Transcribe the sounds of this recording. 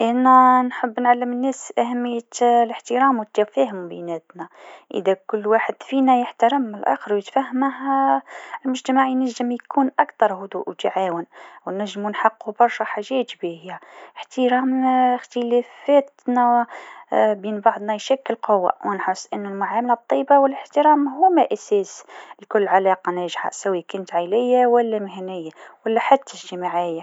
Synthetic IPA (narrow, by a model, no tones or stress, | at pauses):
ʔænænħəbːnʕalːəmənːæsʔæhæmːəjːələħt̪əɾɑːmwət̪ːæfæhəmbinæt̪næʔə̰d̪ækʊlːwaħəd̪̥finæjəħt̪ɑɾˤəməlʔæ̰xəɾwjət̪fæhmh | lmʊʒt̪æmaʕjnæʒːəmjkuːnʔækt̪ɑɾˤhʊd̪ṵːʔwt̪aʕawənwnæʒːəmnħɑqːubɑɾˤʃɑħaʒæːt̪bihjæħt̪əɾɑːmxt̪əlæfæːt̪næ | biːnbɑʕd̪ˤnɑjʃækːəlqowːa̰wʔnħəsˤːʔənːʊlmʊʕamalab̚t̪ˤːɑjːbawələħt̪əɾɑːmɦʊmæʔæsæːslikʊlːʕalɑqɑnæʒħa̰sæwːikʊnt̪ʕajlɪjːawælːæmɪɦnɪjːawælːæħat̪ːæʒt̪ɪmaʕɪjːa